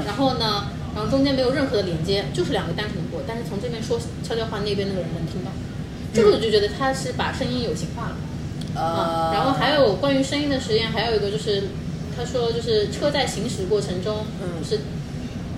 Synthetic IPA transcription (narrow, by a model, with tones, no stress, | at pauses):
ɻa˧˥nxo˥˩ʊnə˩ | kɑ˧˩˧ʈ͡ʂʊ˥ŋt͡ɕ̪ʰjɛ˥nm˧˥ɪo˨˩ʊɻə˥˩nxɤ˧˥d̪ə˧ljɛ˧˥nt͡ɕjɛ˥t͡ɕjo˥˧ʊʂɻ̩˥˩ljɑ˨˩ŋɡə˦t̪a˥ntʰi˨˩ŋkwɔ˥˩t̪a˥˧nʂɻ̩˥˩t͡sʰŋʈ͡ʂɤ˥˧pjɛ˥nʂwɔ˥ | ɕʰjʊjɑ˥˧ʊxwa˥˧ne˥˩ɪp̬jɛ˥n˥˩ə˨ɻə˧˥nmə˧˥nt̪ʰi˥ŋt̪ɑ˥˩ʊ | t͡ɕ̩˥˩˥t͡ɕo˥˩ʊt͡ɕɥɛ˧˥d̪ə˧t̪ʰa˥ʂɻ̩˥˩pa̰˨˩ʂə˥ŋi˥njo˨˩ʊt͡ɕʰi˧˥ŋxwa˥˩d̪ə˩˧˥ | ɻa˧˥nxo˥˩xa˧˥ɪjo˧˥ʊjo˨˩ʊkwa˥ny˧˥ʂə˥ŋi˥ŋd̪ə˨˩ʂɻ̩˧˥jɛ˥nxa˧˥ɪjo˨˩ʊi˧˥ɡə˧t͡ɕjo˥˧ʊʂɻ̩˥˩ | t̪ʰa˥ʂwɔ˥t͡ɕjo˥˧ʊʂɻ̩˥˧ʈ͡ʂʰɤ˥˧t͡sa˥˩ɪɕi˧˥ŋʂɻ̩˧˥˦kwɔ˥˩ʈ͡ʂʰɤ˧˥ŋʈ͡ʂʊ˥ŋ˧ | ʂɻ̩˥˩